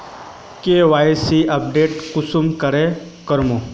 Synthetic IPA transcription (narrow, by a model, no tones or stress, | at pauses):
keʋajsiɐp̚ɖeːʈkʊsumkəɾe | kəɾmu